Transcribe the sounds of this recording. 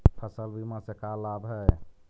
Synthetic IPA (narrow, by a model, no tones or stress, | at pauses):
pʰəsəlbimãsekalabɦɛ